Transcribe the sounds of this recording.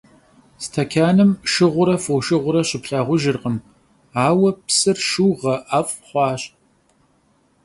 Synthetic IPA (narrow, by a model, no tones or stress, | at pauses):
stʰɐkʲʰaːnɨmʃɨʁʷʊɾɐfowʃɨʁʷʊɾɐɕɪpɬaːʁʷʊʒɪrqəm | aːwɐpsɨrʃɨwʁɐʔafʼχʷɑːɕʼ